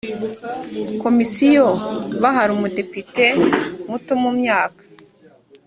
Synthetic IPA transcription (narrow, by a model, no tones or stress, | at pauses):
ko̞misijoβaɦaɾumude̞pite̞mutomumɲaːkḁ